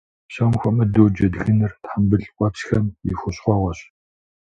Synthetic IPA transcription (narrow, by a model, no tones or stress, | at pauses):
somxʷɔmɐdoːd͡ʒɐdɣɨnɨrtħambɨɮkʷʼɑpsxɐmixʷʊɕχʷɔːʁʷɔɕ